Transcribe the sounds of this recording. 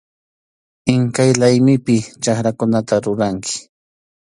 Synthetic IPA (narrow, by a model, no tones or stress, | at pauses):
ɪŋkajlajmɪpɪt͡ʃaχɾakʊnat̪aɾʊɾaŋkʰɪ̥